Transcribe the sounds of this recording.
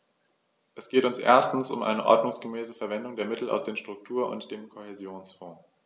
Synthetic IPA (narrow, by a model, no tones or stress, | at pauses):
ʔɛsɡ̥eːtʊnsʔḛːɐstn̩sʊ̰mʔa̰ɪnəʔɔ̰ɐdnʊŋsɡ̥əmɛːsəfɛɐvɛndʊŋdeːɐmɪtl̩a̰ʊsd̥eːmʃtʁ̥ʊk̚tʰuːɐʔʊ̰ntd̥eːmkʰohezjoːnsfɔ̃ː